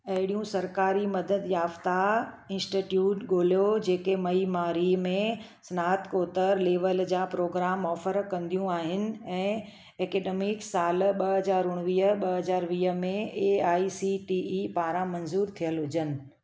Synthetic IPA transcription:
ɐɦɪɽijũsɐɾkaːɾimɐd̪əd̪jaːft̪a | ɪ̃nsʈiʈjuːʈɡoːljod͡ʑeːkemɐimaːɾimẽ | sɐnaːt̪koːt̪əɾleːʋəld͡ʑaːpɾoːɡɾaːmɔːfəɾkɐ̃nd̪ijũaːɦɪnɪ̆ɛ̃ː | eːkeːɖeːmɪksaːlɓɐɦɐzaːɾʊɽ̃ʋiːɦəɓɐɦɐzaːɾʋiːɦə̆mẽeaːisiʈiːipaːɾãmɐnzuːɾt̪ʰijəlɦʊd͡ʑənɪ̆

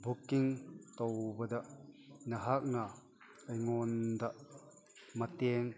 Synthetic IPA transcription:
bukːiŋt̪ɔwbɐd̪ɐʔnɐɦak̚na | ʔɐjŋɔnd̪ɐʔ | mɐt̪ɛŋ

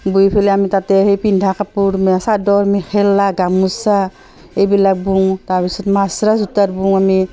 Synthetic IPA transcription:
bujpʰelɛamitatɛɦejpindʱakapuɾmsadɔɾmixʰɛlːaɡamusa | ejbilak̚buŋtaɹpisɔtmasɾazutaɾbuŋami

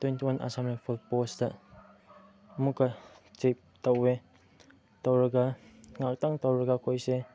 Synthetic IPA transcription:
twentiwanʔa̰samlapʰulpostɐ | ɐmukːɐ | t͡ʃep̚tɐwe | towɾɐɡɐŋak̚taŋtowɾɐɡɐkʰojse

